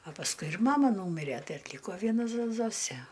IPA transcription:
ɐ pɐsˈkʊɪ ɪr ˈmɑːmɐ ˈnuːmʲɪrʲɛ ˈtɐɪ ɐtʲˈlʲiːkoː ˈʋʲiɛnɐ zoː ˈzoːsʲeː

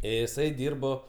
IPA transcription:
ɪˈsɐɪ ˈdʲiːrboː

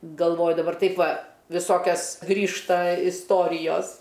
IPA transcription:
ɡɐlˠˈʋoːjʊ dɐˈbɐr ˈtɐɪp ˈʋɐ ʋʲɪˈsoːkʲɛs ˈɡrʲiːʃtɐ ɪsˈtoːrʲɪjoːs

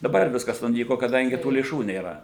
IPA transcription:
dɐˈbɐr ˈʋʲɪskɐs nʊˈnʲiːkoː kɐˈdɐŋʲɡʲɪ tuː lʲeːˈʃuː nʲeːˈrɐ

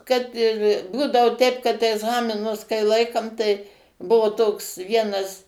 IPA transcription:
ˈkɐt ɪr ˈbuːdɐoː ˈtʲɛɪp kɐt ɛɡˈzɑːmʲɪnʊs kɐɪ ˈlˠɐɪkɐm tɐɪ ˈbʊʋoː toːks ˈʋʲiɛnɐs

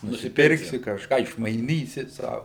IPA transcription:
nʊsʲɪˈpʲɪrksʲɪ kɐʃˈkɑː ɪʃmɐɪˈnʲiːsʲɪ ˈsɐʊ

